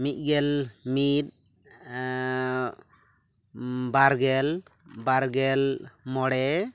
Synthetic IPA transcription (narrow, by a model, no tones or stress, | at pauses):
mit̪̚ˀɡɛlmit̪̚ | baɾɡɛlbaɾɡɛlmɔɽɛ